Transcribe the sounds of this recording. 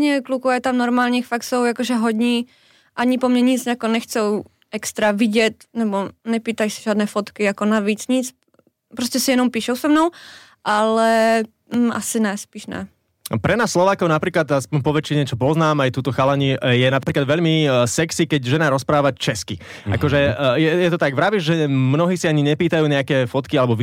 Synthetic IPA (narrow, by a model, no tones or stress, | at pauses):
ɲɛklukuajɛt̪amnɔɾmaːlɲiːxfaksɔwjakɔʒɛɦɔɟɲiː | ʔaɲipɔmɲɛɲid͡zakɔnɛxt͡sɛw | ɛkst̪ɾaʋiɟɛt̪nɛbɔnɛpiːt̪ajsi̥ʒɪaːd̪nɛːfɔt̪kiakɔnaʋiːt͡sɲit͡s | pɾɔscɛsijɛnɔmpiːʃɛʊsɛmnɔʊ | ʔalɛ | a̰sinaspiːʃnɛ̰ | pɾɛnaːsːlɔʋaːkɔʊnapɾiːklad̪aspɔɲpɔʋɛt͡ʃːiɲɛt͡ʃɔpɔznaːmajt̪uːt̪ɔxalaɲijɛnapɾiːklad̪ʋɛʎmisɛksikɛɟʒɛnaɾɔspɾaːʋat͡ʃɛski | a̰kɔʒɛjɛjɛt̪ɔt̪aɡʋɾaʋiʒʒɛmnɔɦiːsiaɲiɲɛpiːt̪ajuːɲɛakɛːfɔt̪kialɛbɔʋ